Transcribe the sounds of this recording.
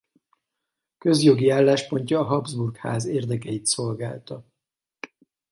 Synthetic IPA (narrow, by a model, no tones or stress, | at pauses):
køzjo̞ɡiaːlːaːʃpo̞ɲcɒːɦɒbzburkha̰ːzeːrd̪ɛkɛjit̪so̞lɡaːlt̪ɒ